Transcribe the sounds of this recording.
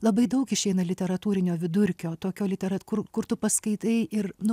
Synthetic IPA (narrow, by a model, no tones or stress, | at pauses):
lˠɐbɐɪd̪ɐʊkɪʃʲɛɪnɐlʲɪtʲɛɾɐt̪uːɾʲɪnʲoːʋʲɪd̪ʊɾʲkʲoːt̪oːkʲoːlʲɪt̪ʲɛɾɐkʊrkʊrt̪ʊpɐskɐɪt̪ɐɪɪɾnʊ